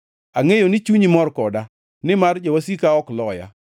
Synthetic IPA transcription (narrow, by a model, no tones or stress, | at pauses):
aŋejonɪt͡ʃuɲimɔɾkɔda | nɪmard͡ʒawasikaɔklɔja̰